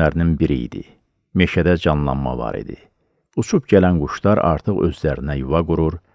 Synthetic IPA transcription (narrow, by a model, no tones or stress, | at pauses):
æɾninbiɾiḭd̪ḭ | me̞ʃæd̪æd͡ʒɑnlˠɑ̰nmɑ̰vɑ̰ɾḭd̪ḭ | ut͡ʃʰupɟælænɡuʃlˠɑɾɑ̰ɾt̪ʰɯɣø̞̰zlæɾinæjuvɑɡuɾuɾ